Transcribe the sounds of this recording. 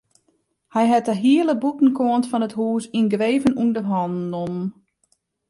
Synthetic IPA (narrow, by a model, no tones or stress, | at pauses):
hɛjɦɛtəɦiələbutn̩kʰoəntfɔnəthuːsinɡreːvənundəɦɔnnomn